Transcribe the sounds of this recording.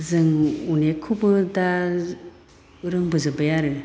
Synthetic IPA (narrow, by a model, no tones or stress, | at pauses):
zɯŋunekʰubɯda | ɯɾɯŋbɯzɯbajaɾɯ